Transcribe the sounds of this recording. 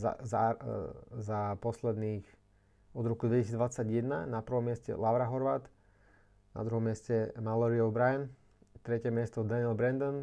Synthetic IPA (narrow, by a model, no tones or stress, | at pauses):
a̰za̰ | zapɔslɛd̪niːx | ɔd̪ɾɔkud̪ʋɛcis̬iːd͡zd̪ʋat͡sːaɟjɛd̪na̰napr̩ʋɔmːɪɛscɛ̰laʊɾaɦɔɾʋat̪ | na̰d̪ɾuɦɔmɪɛscɛmalɛɾiɔʊbɾajɛn | t̪ɾɛcɛmɪɛst̪ɔd̪anɪɛlbɾɛnd̪ɔn